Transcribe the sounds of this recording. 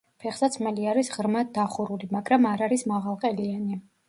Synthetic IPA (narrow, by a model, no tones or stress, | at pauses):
pʰɛχsat̪sʰmɛliaɾisʁɾmad̪aχuɾulimaɡɾamaɾaɾismaʁalˠqʼɛliani